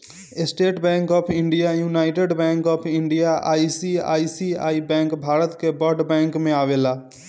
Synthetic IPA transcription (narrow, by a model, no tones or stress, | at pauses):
ɪsʈeːʈbɛ̃ːŋkɔːpʰɪ̃ɳɖijajuːnaːɪʈeɖbɛ̃ːŋkɔːpʰɪ̃ɳɖijaa̰ːisia̰ːisia̰ːibɛ̃ːŋkbʱaːɾət̪kebɔɾɖbɛ̃ːŋkmẽaːʋeːlaː